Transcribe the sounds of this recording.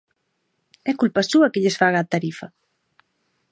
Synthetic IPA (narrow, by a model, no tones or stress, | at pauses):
ɛkulpasuɐkeʎesfaɣaːt̪aɾifɐ